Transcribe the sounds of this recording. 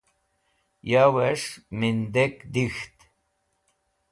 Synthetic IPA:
jawɛʂmind̪ekd̪ixt̪

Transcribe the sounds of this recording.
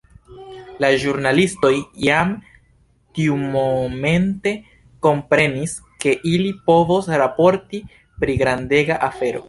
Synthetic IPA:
laʒuɾnalisto̞jjam | tiumome̞nte̞ | ko̞mpɾe̞nis | ke̞ʔilipo̞vosɾapo̞ɾti | pɾiɡɾande̞ɡaʔafe̞ɾo̞̰

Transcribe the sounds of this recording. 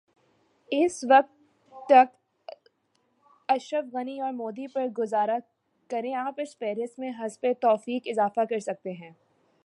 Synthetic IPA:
ɪsʋɐk̚t̪ː | ɐk̚t̪ | ɐʃɾəfɣɐniɔːɾmoːd̪ipɐɾɡʊzaːɾa | kɐɾẽaːpɪsfɛːɾɪsmẽɦɐzpet̪ɔːfiːkɪzaːfakɐɾsɐk̚t̪eɦɛ̃ː

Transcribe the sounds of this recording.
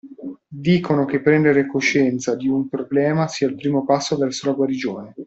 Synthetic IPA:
d̪iːkonokepːɾɛnd̪eɾekoʃːɛnt̪sad̪iumpɾoblɛːmasiːailpɾiːmopasːovɛrsolaɡwaɾid͡ʒoːne

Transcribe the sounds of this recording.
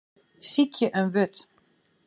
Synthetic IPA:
sikʰjəʔənʋøt

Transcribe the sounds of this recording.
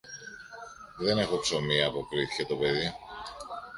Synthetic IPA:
ðe̞ne̞xo̞kso̞miɐːpo̞kɾiθi̥çet̪o̞pe̞ði

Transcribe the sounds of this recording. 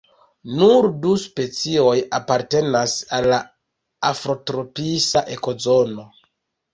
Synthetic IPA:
nuɾduspe̞t͡sio̞japaɾte̞nasalːa | afɾo̞tɾo̞pisaʔe̞ko̞zo̞no̞

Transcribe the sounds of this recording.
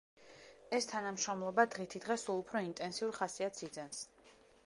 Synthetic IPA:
ɛst̪ʰanamʃɾɔmlˠɔbad̪ʁit̪ʰid̪ʁɛsulˠupʰɾɔint̪ʼɛnsiuɾχasiat̪sid̪zɛns

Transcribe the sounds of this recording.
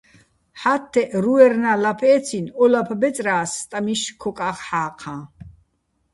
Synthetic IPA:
ħat̪ʰːɛʔɾuɛɾnalapʰɛːt͡sʰinɔlapʰbɛt͡s̪ʼɾaːst̪ʼamiʃkʰɔkʼaχħaːqʰã

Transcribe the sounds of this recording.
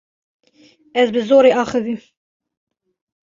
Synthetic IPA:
ɛzbɨzoːɾeːɑːxɨðim

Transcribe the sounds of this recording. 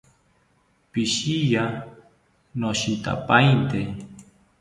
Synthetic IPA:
piʃija | noʃit̪a̰pajnt̪e

